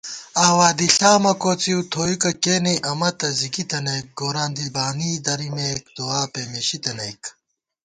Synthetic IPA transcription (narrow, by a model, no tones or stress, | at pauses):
aːwaːd̪iɬaːmɐkoːt͡siut̪ʰoːjikɐkeːniʔɐmɐt̪ɐzikit̪ɐnɐjk̚ɡoːɾaːnd̪ibaːniːd̪ɐɾimeːk̚d̪uaːpemeɕit̪ɐnɐjk